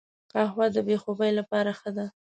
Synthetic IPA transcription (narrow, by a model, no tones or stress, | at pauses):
qɑxwɑd̪əbexobəjlapɑɾaxəd̪a